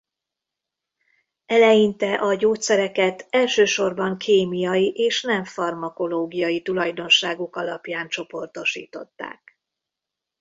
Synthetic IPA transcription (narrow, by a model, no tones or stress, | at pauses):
ɛlɛjint̪ɛʔɒɟoːt̪sɛɾɛkɛt̪ɛlʃøːʃo̞rbɒŋkʰeːmijɒjiʔeːʃnɛɱfɒrmɒko̞loːɡijɒjit̪ulɒjd̪o̞nʃaːɡokɒlɒpjaːnt͡ʃo̞po̞rt̪o̞ʃḭːt̪o̞̰t̪ːa̰ːk̚